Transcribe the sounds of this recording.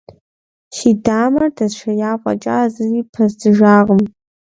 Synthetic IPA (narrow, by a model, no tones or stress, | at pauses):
ʃidaːmɐrdɐʃʷʰɐjaːqʷʼa̰t͡ʃʼa̰zɨriːpʰɐzdɨʒaːʁəm